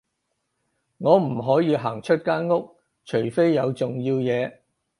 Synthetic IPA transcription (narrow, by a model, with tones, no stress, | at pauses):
ŋɔː˨˧m̩˨˩ɦɔː˨˥jiː˨˧ɦaː˨˩ŋt͡ʃʰɵ˥t̚kaː˥nŋʊ˥k̚ | t͡ʃʰɵ˨˩ɥfe˥jːɐ˨˧wt͡sʊ˨ŋjiː˧wjɛː˨˧